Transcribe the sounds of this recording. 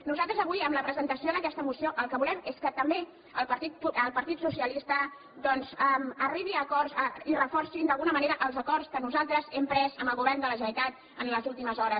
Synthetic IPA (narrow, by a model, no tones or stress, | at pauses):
nuzalˠt̪ɾəzəβujəmləpɾəzənt̪əsioðəkɛst̪əmusioʔəlˠkəβulɛmeskət̪əmbe | əlˠpəɾt̪it̪̚uəlˠpəɾt̪it̪susiəlist̪ə | d̪ɔnzəməriβiəkɔrzəirəfɔɾsind̪əlˠɣunəməneɾəʔəlˠzəkɔrskənuzalˠt̪ɾəzɛmpɾɛzəmbəlˠɣuβɛrnd̪ələʒəit̪at̪̚ | ənləzulˠt̪iməzɔɾə